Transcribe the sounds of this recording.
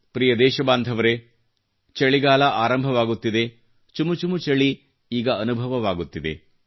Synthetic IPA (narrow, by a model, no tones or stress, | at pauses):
pɾijɐd̪ɛːʃɐbaːnd̪ʱɐʋɐɾe | t͡ʃɐɭiɡaːlɐʔaːɾɐmbʱɐʋaːɡut̪ːid̪e̞ | t͡ʃumut͡ʃumut͡ʃɐɭi | iːɡɐɐnubʱɐʋɐʋaːɡut̪ːid̪e̞̰